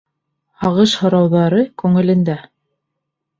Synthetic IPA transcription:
hɑʁɤʃhŏɾɑwðɑɾɤkʉŋɘ̆lɘ̆nd̪æ

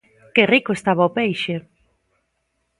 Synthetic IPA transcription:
kerikoest̪aβaopejʃe

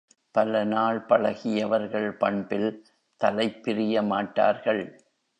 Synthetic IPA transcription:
pɐlɐnaːɭpɐɭɐɣɪjɐʋɐɾɣɐɭpɐɳbɪl | t̪ɐlɐɪpːɪɾɪjɐmaːʈːa̰ːɾɣɐɭ

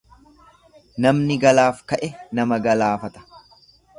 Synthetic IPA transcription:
nɐmnɪɡɐlaːfkɐʔɛnɐmɐɡɐlaːfɐt̪ɐ̥

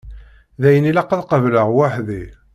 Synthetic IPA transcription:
ðæjənilæqːəðqəvləʁwaħði

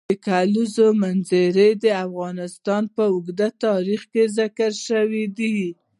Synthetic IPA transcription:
əkalizomanzeɾed̪əafɣɑnɪst̪ɑnpəʊɡd̪at̪ɑɾixkezɪkaɾʃəwid̪i

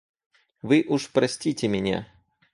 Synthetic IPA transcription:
ʋɨʔuʂpɾɐsʲtʲitʲɪmʲɪnʲa̰

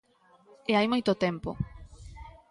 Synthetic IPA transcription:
eajmojt̪ot̪empo̰

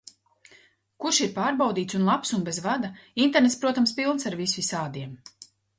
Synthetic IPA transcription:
kuʃiɾpaːɾbawd̪iːt̪sunlˠapsunbezvad̪aint̪eɾnet̪spɾuɔt̪amspilˠnsaɾvisvisaːd̪iɛm

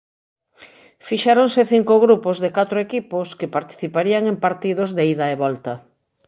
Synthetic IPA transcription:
fiʃeɾonseθiŋkoɣɾupozðekat̪ɾoekiposkepaɾt̪i̥θipaɾiaŋempaɾt̪iðozðeiðaeβɔlt̪ɐ

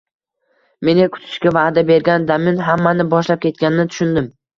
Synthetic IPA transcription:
me̞nɪkʰʊ̥t̪ʰɪ̥ʃkʲavad̪abe̞ɾɡʲand̪amɪnɦamːanɪbɒʃlap̚kʲʰe̞t̪̚kʲanɪnɪt̪ʰʊ̥ʃʊnd̪ɪm

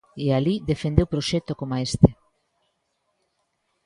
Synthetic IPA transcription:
ealiðefend̪ewpɾoʃɛt̪okomaest̪e

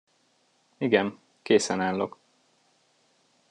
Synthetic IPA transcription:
iɡɛn | keːsɛnaːlːok

